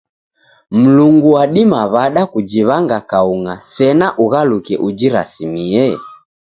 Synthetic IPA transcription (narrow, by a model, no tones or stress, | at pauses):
m̩luŋɡuwaɗimaβaɗakud͡ʒiβaŋɡakauŋasɛnaʔuɣalukɛʔud͡ʒiɾa̰simiɛ